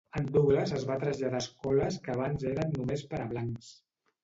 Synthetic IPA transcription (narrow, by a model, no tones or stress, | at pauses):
ənd̪uɣləzəzβat̪ɾəzʎaðaːskɔləskəːβ̞anzeɾənːumespəɾəβlaŋks